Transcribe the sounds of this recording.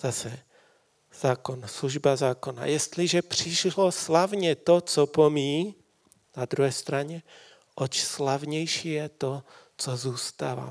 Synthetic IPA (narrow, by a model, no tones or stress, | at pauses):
z̥asɛ | z̥aːkonsluʒbazaːkona̰jɛst̪liʒɛpr̝̥ɪʃloslavɲɛt̪ot͡sɔpomiː | nad̪ɾuɦɛːst̪ɾaɲɛ | ʔɔt͡ʃslavɲɛjʃijɛt̪o | t͡sozuːst̪aːva̰